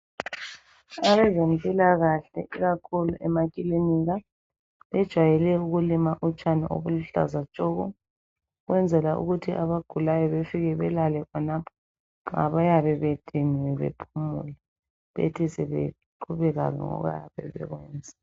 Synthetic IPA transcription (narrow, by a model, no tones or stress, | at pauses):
aβɛzempʼilaɣaɬɛiɣakʰuluʔɛmakʼiliniɣa | βɛd̥ʒ̥ʱwajɛlɛuɣulimaʔut͡ʃʼaniʔo̰βuluɬa̰zat͡ʃʼɔɣɔ | ɣwɛnd͡zʱɛlaʔṵɣutʰiʔaβaɡ̥ʱulajɔβefiɣɛβɛlalɛkʰɔnapʰɔ̥ | a̰βajaβɛβed̥ʱinwɛβḛpʰumṵlɛ | βḛtʰisɛβḛ | ǃʰuβɛɣa̰ɣɛ̰ŋɔ̰ɣa̰jaβɛ̰βɛ̰ɣwɛːnd͡zʱɛ̥